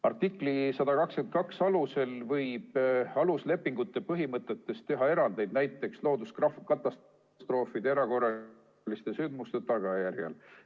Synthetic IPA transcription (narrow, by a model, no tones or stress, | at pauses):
ɑrt̪ikˑlisɑd̪̥ɑkɑksken̚kɑksɑluse̞lvɤjb̥ɑlusle̞pːiŋɡ̥ut̪ːˑe̞pɤɦimɤt̪ːˑe̞t̪ːe̞st̪e̞ɦɑe̞ɾɑnd̪e̞jd̪næjt̪ːˑe̞kslo̞ːd̪uskɑfkɑt̪ːˑɑs | st̪ro̞ːfid̪eeɾɑko̞rːɑ | list̪e̞synd̪must̪e̞t̪ɑɡ̥ɑjæɾjɑ̰l